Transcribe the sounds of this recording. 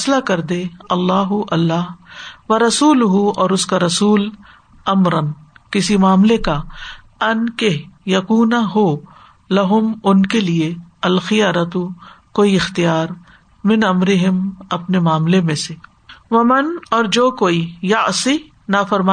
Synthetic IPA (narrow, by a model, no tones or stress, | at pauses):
slakɐɾd̪eɐlːaːɦʊʔɐlːaːɦʋɐɾɐsuːlʊɦuɔːɾʊskaɾɐsuːl | ɐmɾənkɪsimaːmleka | ɐnkejɐkuːnaɦoː | lɐɦʊmʊnkelieɐlxɪjaːɾət̪ukoːiɪxt̪ijaːɾ | mɪ̃nɐmɾɪɦɪmɐpnemaːmlemẽse | ʋɐmɐnɔːɾd͡ʒoːkoːijɐʕsi | nafɐɾma